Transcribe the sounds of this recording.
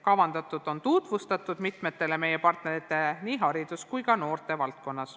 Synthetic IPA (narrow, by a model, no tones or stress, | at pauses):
kɑvɑnd̪̥ɑt̪ːˑud̪̥o̞nt̪ud̪vust̪ɑt̪ːˑud̪̥mit̪ˑme̞t̪ːe̞le̞me̞je̞pɑrt̪ne̞ɾit̪ːˑe̞niːɦɑɾid̪̥uskujkɑno̞ːrt̪e̞vɑlt̪̚ko̞nːɑs